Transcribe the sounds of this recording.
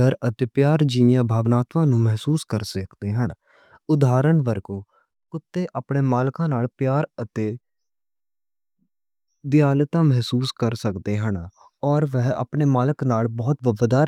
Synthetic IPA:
əɾət̪eːpjaːɾd͡ʒiːɪjãːbʱaːʋnaːt̪ʋãːnũːmɛɦsuːskəɾsəkd̪eːɦəɳ | ʊd̪aːɾəɳʋəɾɡõː | kʊt̪ːeːʔaːpɳeːmaːlkãːnaːlpjaːɾət̪eː | d̪ɪjaːlt̪ãːmɛɦsuːskəɾsəkd̪eːɦən | ɔːɾʋɛɦa̰ːpɳeːmaːləknaːlbɔːt̪ʋəbd̪aːɾ

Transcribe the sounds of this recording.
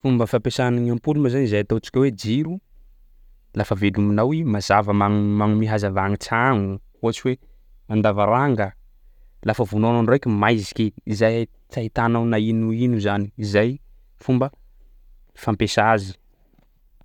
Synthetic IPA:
fumbəfampesanaŋampulumazanizajat̪ot͡ʃi̥kʲawed͡ʒiɾu | lafəveluminawimazavəmaŋmaŋumiɦazavaŋit͡saŋu | uat͡ʃiwe | and̪avaɾaŋɡə | lafəvunananrokʲimajzi̥kʲeizaj | t͡sait̪anawnainuinuzaniːzaj | fumbə | fampesazi̥

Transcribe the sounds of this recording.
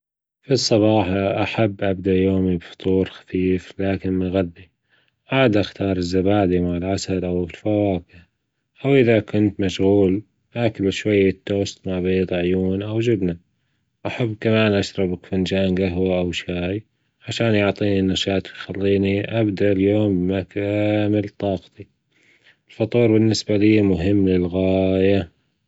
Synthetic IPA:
fisˤːɑbɑːħɑʔaħabːʔabd̪aʔjoːmibfʊ̥t̪ˤuːɾxḁfiːflaːkɪnmɪɣaðːi | ʕaːd̪ʔaxt̪ɑːɾˤɪzːabaːd̪imaʕɪlʕasalʔawɪlfawaːkɪ | ʔawʔɪðakʊnt̪maʃɣuːl | ʔakalɪʃwajːat̪ːoːst̪maʕbiːd̪ˤʕjuːnʔawd͡ʒɪbna | ʔaħabːkamaːnʔaʃɾˤɑbakfɪnd͡ʒaːnɡaɦwaʔawʃaːj | ʕaʃaːnjʊʕt̪ˤiːninːaʃaːt̪wjxalːiːniʔabd̪aʔljoːmbmakamɪlt̪ˤɑːqt̪i | ɪlfɑt̪ˤuːɾbɪnːɪsbaliːmʊɦɪmːlɪlɣaːja

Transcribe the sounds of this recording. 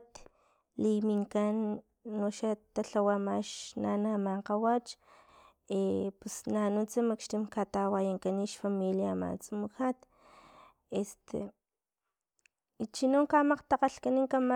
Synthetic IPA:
t̪ | limiŋkanː | oʃat̪aɬawamaʃna̰namaɴqawat͡ʃ | epusnanut͡simakʃt̪imkat̪awajaŋkaniʃfamiljama̰t͡sumuxat̪ | est̪ʰḛ | it͡ʃinoŋkamaqt̪aqaɬkaniŋkama

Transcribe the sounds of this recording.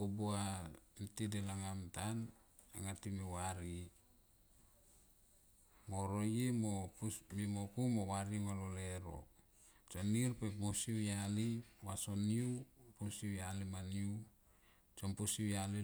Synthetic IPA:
obuantidelaŋamtan | aŋatimiwaɾi | moɾojemopumimokumowaɾimaloleɾo̰ | t͡ʃonirpebusiujaliwasoniupusiwjalimaniu | t͡ʃompusiwjali

